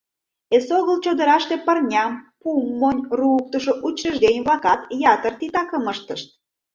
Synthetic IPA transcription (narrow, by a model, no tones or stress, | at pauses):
esoɣəlt͡ɕod̪əɾɑʃt̪epərnʲɑmpumːonʲruuk̚t̪əʃoʔut͡ɕːəʒd̪enʲβɑkɑt̪jɑt̪ərt̪it̪ɑkəməʃt̪ə̆ʃt̪̚